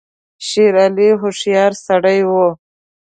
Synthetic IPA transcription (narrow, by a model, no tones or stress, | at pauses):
ʃiɾaliɦoʂjɑːɾsɐɽəjwo